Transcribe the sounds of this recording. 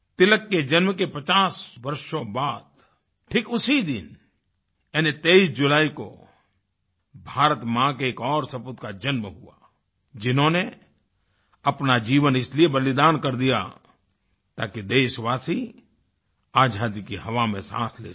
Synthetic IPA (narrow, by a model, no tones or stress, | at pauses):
t̪ɪləkːed͡ʒɐnmkepɐt͡ʃaːswɐɾʃõbaːd̪ | ʈʰikʊsid̪ɪn | ɛːnet̪eisd͡ʒʊlaːiko̰ | bʱaːɾət̪mãkeeːkɔːɾsɐpʊt̪kad͡ʒɐnmɦua̰ː | d͡ʒɪnɦõne | ɐpnad͡ʒiːʋənɪsliebəlɪd̪aːnkɐɾd̪ija̰ | t̪aːkid̪eːʃʋaːsi | aːd͡ʒʱaːd̪ikiɦɐʋamḛ̃sã̰ːt̪ʰlḛː